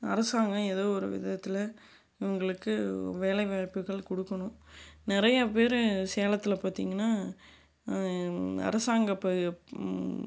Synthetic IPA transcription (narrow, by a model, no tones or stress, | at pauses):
ɐ̰ɾɐsaːŋɡɐ̃ɛðoːɔɾɯʋɪ̰ðɐt̪ːɪlɐ | ɪʋɐŋɡɐɭɯkːɯʋeːlɐɪʋapːɯɣɐɭkɔɽɯkːɐɳʊ̃nɪɾɐjɐpeːɾseːlɐt̪ːɪlɐpaːt̪ḭːŋɡɐnːaː | ɐ̰ɾɐsaːŋɡɐpːɐ